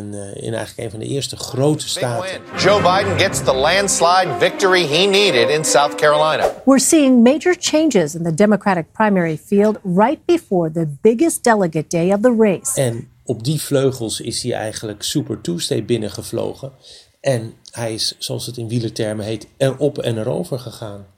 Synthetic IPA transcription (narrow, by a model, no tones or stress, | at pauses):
nɪ̰nɛ̰jxələkḛjnvɑndə̰ʔɪːɹstəχrowtə̥staːtə̥d͡ʒoʊbaɪdⁿn̩ɡɛtsðəlæ̃nd̥slaɪdvɪk̚tə˞iɦiniɾɪɾɪ̃nsaʊθkʰɛɹəlãɪ̃nə̰wɪɹsiɪ̃ŋmeɪd͡ʒə˞t͡ʃʰẽɪ̃nd͡ʒɪzɨ̃nðɨdɛməkʰɹ̥æɾɨk̚pʰɹ̥ãɪ̃mɛɹifilˠdɹaɪt̚b̥ɨfɔɹðɨbɪɡɨsd̥ɛlˠəɡɨt̚d̥eɪʌvðəɹeɪsɛn | ɔb̚difløɥχəlˠsɪ̰shiʔɛ̰jχənləksypəɹtustej̚bɪnəχəvlo̰wχə | ʔɛnhɛjɪssoɑlˠsətɪnʋilətɛɹməɦejtɛɹɔpɛnɛɾo̰wvəɹχəχaːn